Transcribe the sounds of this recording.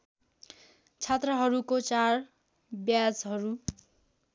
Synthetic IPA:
t͡sʰet̪rʌɦʌɾukot͡sar | bjad͡zɦʌɾu

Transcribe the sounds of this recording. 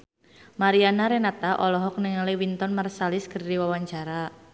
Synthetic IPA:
maɾianaɾɛnat̪aʔɔlɔɦɔk̚nəŋaliwint̪ɔnmarsalɪskərdiwawaɲt͡ʃaɾa

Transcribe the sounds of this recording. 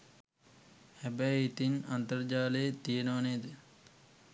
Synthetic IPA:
hæbɛjit̪inant̪əɾd͡ʒaːləjet̪ijenəʋaned̪ə

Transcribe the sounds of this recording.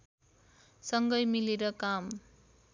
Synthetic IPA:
sʌŋɡʌjmileɾʌkam

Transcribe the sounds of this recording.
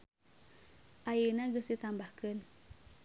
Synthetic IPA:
ʔajənaɡəsit̪ambahkən

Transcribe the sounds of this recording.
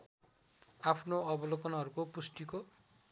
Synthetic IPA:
apʰnoʌbʌlokʌnaɦʌɾukopusʈiko

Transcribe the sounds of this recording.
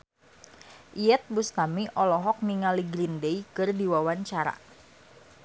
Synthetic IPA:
ʔiɛt̪̚bust̪amiʔɔlɔɦɔk̚niŋaliɡɾindɛikɨrdiwawaɲt͡ʃaɾa̰

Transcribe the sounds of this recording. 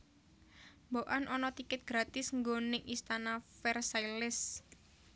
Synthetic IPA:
mboʔanʔɔnɔt̪ikɪt̪̚ɡ̥ɾat̪ɪsŋɡonɪŋist̪anafɛrsailɪs

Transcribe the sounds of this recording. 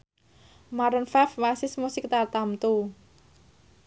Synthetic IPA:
maɾənfɛfwasɪsmusɪk̚t̪art̪amt̪u

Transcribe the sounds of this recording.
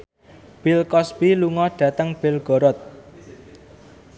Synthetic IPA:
b̥ɪlkɔsb̥iluŋɔɖ̥ä̤t̪əŋb̥ɪ̤lɡ̥ɔ̤ɾɔt̪̚

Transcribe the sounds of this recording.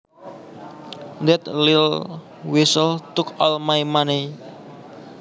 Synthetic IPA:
d̪ɛt̪lɪl | wisəlt̪ʊkɔlmajmani

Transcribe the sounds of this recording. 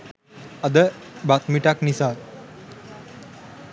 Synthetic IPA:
ad̪əbat̪miʈaknisaːt̪

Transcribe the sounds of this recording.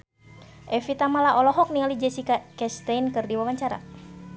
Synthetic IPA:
ʔɛfit̪amalaʔɔlɔɦɔk̚niŋalid͡ʒɛsikakɛst̪ajnkɨrdiwawaɲt͡ʃaɾa̰

